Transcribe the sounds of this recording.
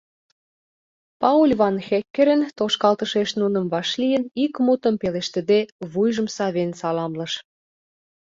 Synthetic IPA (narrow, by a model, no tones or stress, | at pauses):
pɑulʲβɑnxekːĕɾə̆nt̪oʃkɑlt̪əʃeʃnunə̆mβɑʃlijənikmut̪ə̆mpeleʃt̪ə̆d̪eβujʒə̆msɑβensɑlɑmlə̆ʃ